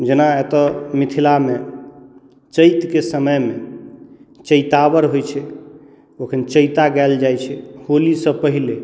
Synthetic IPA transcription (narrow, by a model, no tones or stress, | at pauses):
d͡ʒenaet̪ɔmit̪ʰilame | t͡ʃəjt̪kesəməjme | t͡ʃəɪt̪abəɾɦojt͡ʃʰɛ | okʰənt͡ʃəjt̪aɡɛld͡ʒajt͡ʃʰɛholisə̃pəɦile